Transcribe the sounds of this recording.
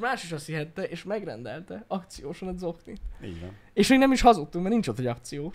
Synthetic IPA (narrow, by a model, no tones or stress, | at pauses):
maːʃiʃɒsiɦɛt̪ːɛʔeːʃmɛɡrɛ̰nd̪ɛlt̪ɛɒkt̪sijoːʃonɛd̪zo̞kniḭːɟv̰n | eːʃminɛmiʃhɒzut̪ːukmɛrnint͡ʃot̪hojɒkt̪sijoː